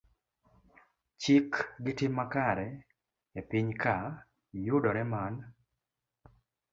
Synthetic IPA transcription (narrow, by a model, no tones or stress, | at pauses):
t͡ʃɪkɡɪtɪmːakaɾɛ | japiɲka | judɔɾɛman